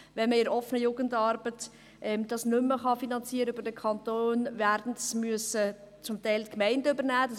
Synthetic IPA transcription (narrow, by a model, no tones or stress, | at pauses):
vɛnməɪɾɔfənəjuːɡəndɑːɾb̥ət | ʔɛmd̥ɑsnʏmːəχɑfinɑnt͡siːəɾəybəɾd̥əkʰɑntoːnvæːɾdn̩dsmyəsə | t͡sʊmtɛɪltkmɛɪndəøbəɾnæːdɑs